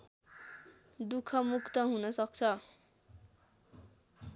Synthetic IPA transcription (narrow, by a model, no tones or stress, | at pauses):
d̪ukʰʌmukt̪ʌɦunʌsʌk̚t͡sʰʌ